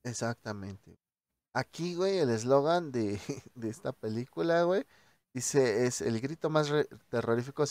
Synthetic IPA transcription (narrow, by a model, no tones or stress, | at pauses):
esak̚t̪amḛ̃nt̪ḛ | akiwejelez̬loɣand̪ed̪eest̪apelikulaɣwej | d̪̥iseesḛlɡɾit̪omasret̪eroɾifikos